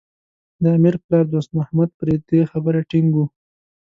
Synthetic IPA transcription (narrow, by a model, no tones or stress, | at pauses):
d̪əamiɾplɑɾd̪ost̪mahmad̪̚pɾed̪exabəɾaʈiŋɡu